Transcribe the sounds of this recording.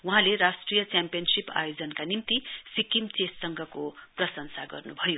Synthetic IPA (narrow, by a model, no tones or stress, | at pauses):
wuɦãlerasʈrijʌt͡sjampijʌnsipa̰jod͡zʌnkanimt̪isikimt͡sesʌŋɡʱʌkoprʌsʌnsaɡʌrnubʱʌjo